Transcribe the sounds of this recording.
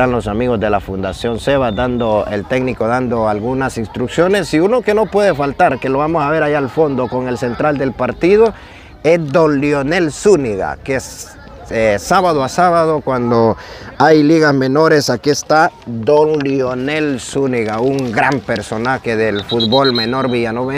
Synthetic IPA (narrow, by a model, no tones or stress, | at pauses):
anlo̞samiɣo̞zðe̞lafund̪asjo̞nse̞βad̪and̪oḛlt̪e̞ɡniko̞ðand̪oalɣunasinst̪ɾuksjo̞ne̞siuno̞ke̞no̞pwe̞ð̞efalt̪aɾke̞lo̞βamosaβe̞ɾajaalfo̞nd̪o̞ko̞ŋe̞lse̞nt̪ɾald̪e̞lpaɾt̪iðo̞ | esd̪onljone̞lsuniɣa̰kes | esaβaðoasaβaðokwand̪oajliɣazme̞no̞ɾe̞sakiest̪ad̪oŋljonelsuniɣauŋɡɾampe̞ɾso̞naxeðelfud̪βo̞lme̞no̞ɾβiʝanoβe